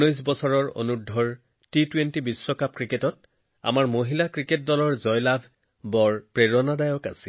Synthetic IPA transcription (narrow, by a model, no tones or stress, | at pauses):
ɔjs̬bɔsɔɹɔɹo̰nudʱːɔɹ | titwentibisːɔkap̚kɹiketɔt̚ | a̰maɹmoɦilakɹiket̚dɔlɔɹzɔjlabʱ | bɔɹpɹeɹɔnadajɔka̰si